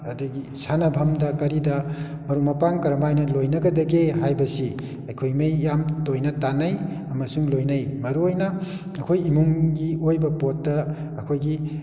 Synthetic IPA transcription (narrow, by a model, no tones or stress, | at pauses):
ɐdɐɡi | sanɐbʱɐmdɐkɐɾidɐ | mɐɾumɐpaŋkɐɾɐmajnɐlojnɐɡɐdɐɡeɦajbɐsi | ɐjkʰojmɐjːamtojnɐtanɐj | ɐmɐsuŋlojnɐjmɐɾuojnɐ | ɐkʰojimuŋɡiojbɐpotːɐː | kʰojɡi